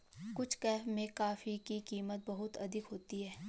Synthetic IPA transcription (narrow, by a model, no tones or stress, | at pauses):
kʊt͡ʃʰkɛːfmẽkaːfikikiːmət̪̚bɐɦʊt̪ɐ̰d̪ʱɪkɦoːt̪iɦɛː